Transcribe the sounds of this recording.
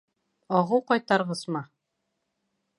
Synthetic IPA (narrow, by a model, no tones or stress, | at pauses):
ɒʁɤwqɑjt̪ɑɾʁɤsmɑ